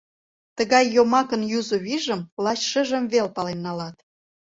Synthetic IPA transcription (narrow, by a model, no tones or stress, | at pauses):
t̪əɣɑjːomɑkənjuzoβiʒəmlɑt͡ɕʃə̆ʒəmβelpɑlenːɑlɑt̪